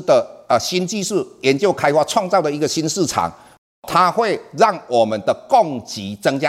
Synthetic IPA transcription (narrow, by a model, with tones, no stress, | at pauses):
d̪ə˨ə˨˩ɕi˦˥nt͡ɕi˥˧ʂɻ̩˥˩jɛ˧˦nt͡ɕjo˥˩ʊkʰa˥ɪxwa˥˧t͡sʰwɑ˥˧ŋt͡sɑ˥˩ʊd̪ə˨˩i˧˥ɡə˨ɕi˦˥nʂɻ̩˥˩ʈ͡ʂʰa̰˨˩˦ŋ | t̪ʰa˦xwe˥˧ɪɻa˥˩ŋwɔ˨˩mə˨nd̪ə˨kɔ˥˩ŋt͡ɕi˨˦t͡sə˦ŋt͡ɕja˥